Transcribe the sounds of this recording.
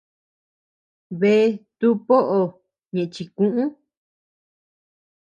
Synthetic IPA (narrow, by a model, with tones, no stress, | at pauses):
βe˧˦˧t̪u˦po˦ʔo˧ | ɲẽ˨ʔt͡ʃi˧kũ˦ʔũ˦